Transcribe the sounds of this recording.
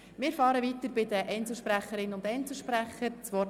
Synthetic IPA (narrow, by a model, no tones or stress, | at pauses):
mɪːɾfɑːɾəʋit̪əɾbɪd̪əʔɛɪnt͡sl̩ˠʃpɾæχəɾɪnʊndɛɪnt͡sl̩ˠʃpɾæχəɾt͡sʋɔt